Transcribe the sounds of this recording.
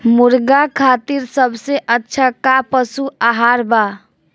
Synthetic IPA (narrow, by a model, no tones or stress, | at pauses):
muɾɡakʰat̪iɾsəbʱseʔətːʃʰakapəsuaɦaɾba